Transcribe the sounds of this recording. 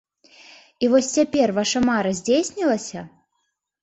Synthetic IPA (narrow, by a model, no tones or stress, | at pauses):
ivɔsʲt͡sʲapʲervaʂɐmaɾɐzʲd͡zʲesʲnʲilˠɐsʲɐ